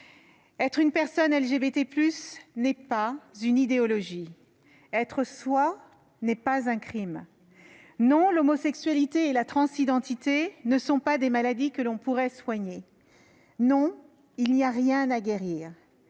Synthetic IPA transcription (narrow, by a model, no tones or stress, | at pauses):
ɛt̪χynpɛʁsɔnɛlʒebet̪eplysnɛpazynid̪eɔlɔʒi | ɛt̪χəswa | nɛpazɛ̃kχim | nɔ̃lɔmɔsɛksɥalit̪eːlat̪χɑ̃sid̪ɑ̃t̪it̪enəsɔ̃pad̪emalad̪ikəlɔ̃puʁɛswaɲe | nɔ̃ | ilniaʁjɛ̃naɡʲeʁiːʁ